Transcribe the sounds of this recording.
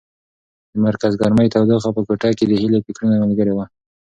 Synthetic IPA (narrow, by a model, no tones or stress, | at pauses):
d̪əmaɾkazɡɑɾməjt̪awd̪axapəkoʈɑked̪əhilepɪkɽunamalɡəɾewa